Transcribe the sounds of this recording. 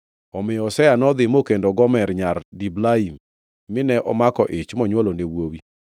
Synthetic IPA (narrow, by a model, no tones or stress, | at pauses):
ɔmɪjɔsɛjanɔd̪ɪmokendoɡɔmɛɾɲardiblaimː | ɪnɛʔɔmakɔʔɪt͡ʃmɔɲwɔlonewowi